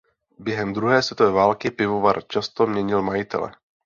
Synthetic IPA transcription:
bjɛɦɛmd̪ɾuɦɛːsvjɛt̪ovɛːvaːlkɪpɪvovaɾt͡ʃast̪omɲɛɲɪlmajɪt̪ɛ̰lɛ̰

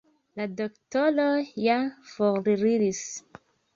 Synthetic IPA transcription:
ladoktolojafoɾliɾilis

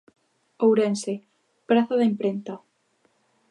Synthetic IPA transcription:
owɾense | pɾaθaðaempɾent̪a

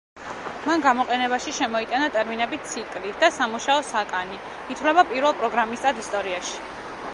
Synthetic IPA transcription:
manɡamɔqʼɛnɛbaʃiʃɛmɔit̪ʼanat̪ʼɛɾminɛbit̪sʰikʼlid̪̥asamuʃaɔsakʼani | it̪ʰwlɛbapʼiɾvɛlˠpʼɾɔɡɾamist̪ʼad̪ist̪ʼɔɾiaʃi̥

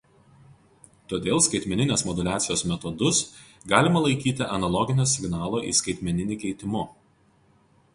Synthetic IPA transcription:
t̪oːd̪ʲeːlˠskɐɪt̪ʲmʲɛnʲɪnʲeːsmɔd̪ʊlʲæːt̪sʲɪjoːsmʲɛt̪ɔd̪ʊs | ɡɑːlʲɪmɐlˠɐɪkʲiːt̪ʲɪʔɐnɐlˠɔɡʲɪnʲoːsʲɪɡnɑːlˠoːʔḭːskɐɪt̪ʲmʲɛnʲɪnʲɪkʲɛɪt̪ʲɪmʊ

